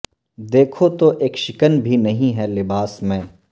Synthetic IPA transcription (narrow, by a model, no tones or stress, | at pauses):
d̪eːkʰot̪oʔeːkʃɪkənbʱinɐɦĩɦɛlɪbaːsmẽː